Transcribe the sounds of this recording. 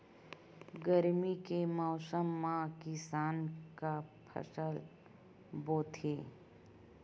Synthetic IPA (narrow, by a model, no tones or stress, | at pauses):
ɡəɾmikemɔːsəmːãkɪsaːnkapʰə̰səl | boːt̪ʰeː